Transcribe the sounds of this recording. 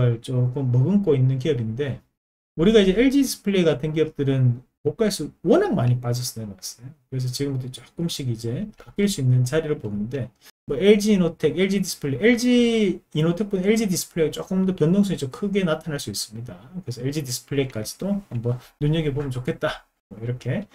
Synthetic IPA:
aɭt͡ɕ͈ok͈omːʌɡɯnk͈oinːɯnk̬iʌbinde̞ | uɾiɡaid͡ʑe̞eɭd͡ʑidisʰɯ̥pʰɯɭeiɡadwe̞nk̬iʌp̚t͈ɯɾɯn | mok̚k͈as͈uwʌnaŋmaɲip͈ad͡ʑʌs͈ɯnenokes͈ʌjokɯɾe̞s̬ʰʌt͡ɕiɡɯmbutʰot͡ɕ͈ok͈ɯmɕ͈ʰiɡid͡ʑe̞pak͈̚iɭs͈uinːɯnt͡ɕaɾiɾɯɭponɯnde̞ | mʌeɭd͡ʑiːnotʰe̞ɡe̞ɭd͡ʑidis͈ʰɯ̥pʰɯɭːeeɭd͡ʑiːnotʰe̞k̚p͈uneɭd͡ʑidis͈ʰɯ̥pʰɯɭeɡat͡ɕ͈ok͈ɯmbtʰopjʌndoŋsʰuɲit͡ɕokʰɯɡe̞natʰanɦaɭs͈uis͈ɯmɲidakɯɾe̞sʰʌeɭd͡ʑidis͈ʰɯ̥pʰɯɭeik͈ad͡ʑi̥dohambʌnːuɲʌɡipomjʌnt͡ɕokʰe̞t̚t͈a | mwʌiɾʌkʰe̞

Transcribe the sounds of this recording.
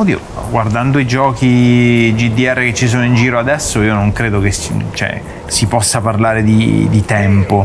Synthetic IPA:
d̪io̰ | ɡward̪and̪oid͡ʒɔːkid͡ʒid̪iɛrːeket͡ʃːis̬oːnoind͡ʒiːɾoad̪ɛsːoiːonoŋkɾeːd̪okest͡ʃɛ̰ | sipɔsːaparlaːɾed̪ḭd̪it̪ɛmpo

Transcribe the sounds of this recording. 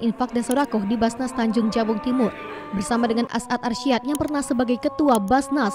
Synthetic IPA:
ʔinfak̚dansɔɾakʊhdibasnast̪aɲd͡ʒʊŋd͡ʒabʊŋt̪imʊr | bərsamadəŋanʔa̰sat̪̚arʃiat̪̚jaŋpərnahsəbaɡajkət̪uabasnas

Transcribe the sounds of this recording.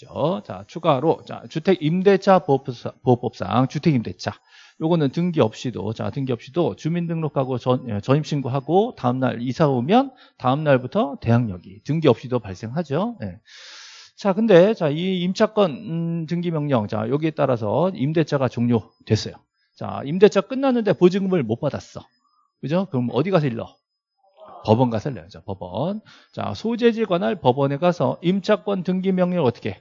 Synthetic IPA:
ot͡ɕa̰t͡ɕʰuɡaɾot͡ɕa̰t͡ɕutʰe̞ɡimde̞t͡ɕʰapopop͈ʌp̚s͈a̰ŋt͡ɕutʰeɡimde̞t͡ɕʰa | joɡʌnɯntɯŋɡiʌp̚ɕ͈ido̰t͡ɕa̰tɯŋɡiʌp̚ɕ͈idot͡ɕumindɯŋɾokʰaɡot͡ɕʌt͡ɕʌɲip̚ɕ͈ʰinɡuɦaɡotaɯmna̰ɾisʰabomjʌn | taɯmnaɭbutʰʌte̞jaŋɲʌɡitɯŋɡiʌp̚ɕ͈idopaɭs͈e̞ŋɦad͡ʑoje̞ | t͡ɕakɯnde̞t͡ɕaiːmt͡ɕʰak͈ʌntɯŋɡimjʌŋɲʌŋt͡ɕa̰jʌɡie̞t͈aɾas̬ʰʌimde̞t͡ɕʰaɡat͡ɕoŋɲo | twe̞s͈ʌjo | t͡ɕa̰imde̞t͡ɕʰak͈ɯnːanːɯnde̞pod͡ʑɯŋmɯɭmop͈adas͈ʌ̰ | kɯd͡ʑokɯɾʌmʌdiɡasʰʌiɭːʌ̰ | pʌbʌnɡasʰaɭːḛjot͡ɕapʌbʌ̰n | t͡ɕa̰sʰod͡ʑe̞d͡ʑiɡwanaɭpʌbʌne̞ɡasʰʌ̰imt͡ɕʰak͈wʌntɯŋɡimjʌŋɲʌŋʌt͈ʌ̥kʰe

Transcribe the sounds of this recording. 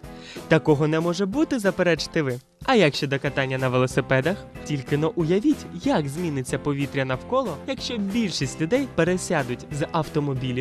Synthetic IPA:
t̪ɐkɔɦɔnɛmɔʒɛbut̪ɪzɐpeɾɛt͡ʃɪ̥t̪ɪʋɪ | ɐjɐkʃt͡ʃɛd̪ɔkɐt̪ɑnʲːɐnɐʋelˠɔsɪpɛd̪ɐxtʲilʲkɪnɔʔʊjɐʋʲitʲjɐɡzʲmʲinɪt͡sʲːɐpɔʋʲit̪ɾʲɐnɐwkɔlˠɔjɐkʃt͡ʃɔbʲilʲʃisʲtʲlʲʊd̪ɛjpeɾesʲad̪ʊtʲzɐwt̪ɔmɔbʲilʲʊ

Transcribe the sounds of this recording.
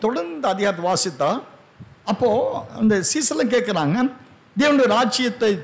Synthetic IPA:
t̪ɔɽɐɾnd̪ɐɐðɪɣaːɾt̪̬ːɐʋaːsɪt̪ːaː | ɐpːoːɐ̰nd̪ɐsiːsɐlɐ̃k̬eːʈkɐɾaːŋɡɐ | d̪eːʋɐnɯɾaːt͡ʃɪjɐt̪ːɐɪ

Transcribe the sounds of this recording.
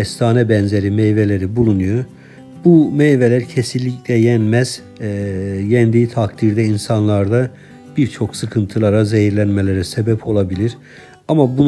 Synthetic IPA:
ɛst̪ʰaːnɛbænze̞ɾimejvelʲe̞ɾibulˠunujo | bumejve̞lʲæɾcʰe̞silʲːiclʲɛjænmæz̥ | jɛnd̪it̪ʰakd̪iɾd̪ɛinsanlˠaɾd̪a | b̥iɾt͡ʃʰo̞ksɯkʰɯnt̪ʰɯlˠaɾazejiɾlʲænmelʲeɾɛsebɛpʰo̞lˠabilʲiɾ | amabun

